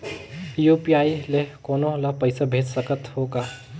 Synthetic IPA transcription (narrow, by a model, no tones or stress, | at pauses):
jupiaːilekoːnõlɐpəɪsabʱeːd͡ʒsəkət̪hoːɡaː